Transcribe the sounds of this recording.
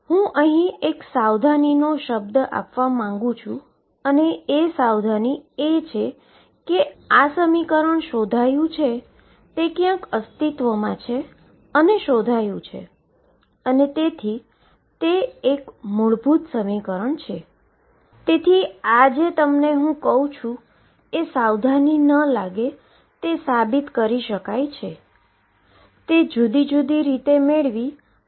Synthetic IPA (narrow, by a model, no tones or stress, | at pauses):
hũʔəɦĩeksawd̪ʱaninoʃəb̚d̪a̰pʋamãŋɡũt͡ʃʰũ | əneːsawd̪ʱaniet͡ʃʰe | keasəmikəɾəɳʃod̪ʱajũt͡ʃʰe | t̪ekjãkəst̪it̪ʋəmãt͡ʃʰe | əneʃod̪ʱajũt͡ʃʰḛ | ənet̪et̪ʰi | t̪eːkmuɭbʱut̪səmikəɾəɳt͡ʃʰe | t̪et̪ʰiad͡ʒet̪əmneɦũkəɦũt͡ʃʰũ | esawd̪ʱaninəlaɡe | t̪esabit̪kəɾiʃəkajt͡ʃʰe | t̪ed͡ʒud̪id͡ʒud̪iɾit̪emeɭʋi